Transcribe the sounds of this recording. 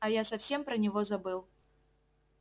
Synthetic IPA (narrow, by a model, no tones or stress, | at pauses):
ɐjasɐfsʲempɾɐnʲɪvozɐbɨlˠ